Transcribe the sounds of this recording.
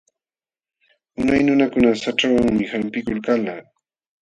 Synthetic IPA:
ʊnajnʊnakʊnasaʈ͡ʂawaŋmɪhampɪkʊlkalaː

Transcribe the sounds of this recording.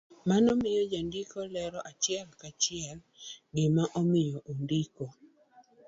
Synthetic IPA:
manɔmɪjɔd͡ʒandɪkɔlɛɾɔʔat͡ʃɪɛlkat͡ʃɪɛl | ɡɪmaʔomɪjɔʔondiko

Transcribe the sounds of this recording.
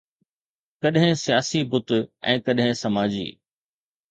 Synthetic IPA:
kɐɗɦɪ̃sijaːsibʊt̪ɛ̰̃ːkɐɗɦɪ̃sɐmaːd͡ʑḭː

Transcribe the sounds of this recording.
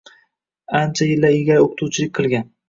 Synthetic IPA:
ant͡ʃʰajɪlːaɾɪɡʲaɾoqʰɨ̥t̪ʰuwt͡ʃʰɪlɪkʲqʰɨlˠɡʲan

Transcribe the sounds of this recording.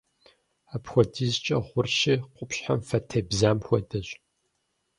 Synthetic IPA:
aːpxʷɔdizt͡ʃʼɐ̰ʁʷʊrɕiqʷʼʊpɕħamfɐtʰɐbzaːmxʷɔdɐɕ

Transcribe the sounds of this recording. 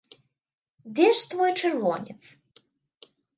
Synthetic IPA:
d̪ʲɛʂt̪vɔjt͡ʃɨrvɔnʲḭt̪s

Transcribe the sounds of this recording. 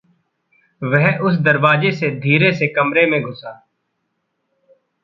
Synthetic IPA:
ʋɛɦʊs̬d̪əɾʋaːd͡ʒesed̪ʱiːɾesekəmɾemẽɡʱʊsaː

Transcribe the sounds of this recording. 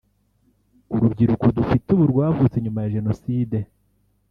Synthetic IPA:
uɾubɟiɾukodufituβuɾɡwaːvuːt͡se̞ɲumajaʒe̞no̞siːde̞

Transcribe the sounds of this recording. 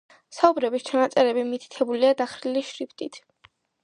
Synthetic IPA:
saubɾɛbist͡ʃʰanat̪sʼɛɾɛbimit̪ʰi̥t̪ʰɛbuliad̪aχɾiliʃɾipʰt̪ʼit̪ʰ

